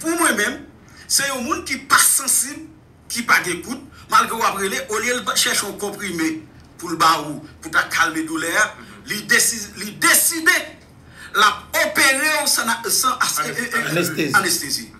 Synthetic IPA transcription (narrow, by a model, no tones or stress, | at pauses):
pumwɛ̃mɛ̃m | sɛjɔ̃mũnkipasɐ̃sibl | kipaɡɛ̃kut̪̚malɡʁeowapɣeleʔoljelpaʃɛʃɔ̃kɔ̃pʁime | pulbauputakʰalmedulɛa | lidesilidesid̪e | lap̚opeɣeõsanasa | sanɛst̪ezi